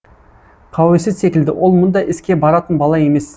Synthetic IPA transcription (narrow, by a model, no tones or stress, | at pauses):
qʰɑwesɪzse̞kʲɪld̪ɪwʔo̞lˠmʊnd̪ɑʔɪskʲe̞bɑɾɑt̪ənbɑlˠɑje̞me̞s